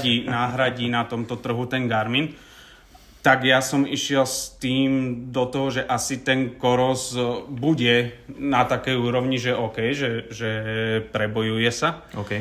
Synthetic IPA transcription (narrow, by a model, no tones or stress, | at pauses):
inaːɦɾaɟinat̪ɔmt̪ɔt̪r̩ɦut̪ɛnɡaɾmin | t̪aɡjasɔmiʃɪɛlst̪iːmd̪ɔt̪ɔɦɔʒɛʔasit̪ɛnkɔɾɔzbuɟɛnat̪akɛjuːɾɔʊɲiʒɛʔɔːkɛjʒɛʒɛpɾɛbɔjujɛsakɛ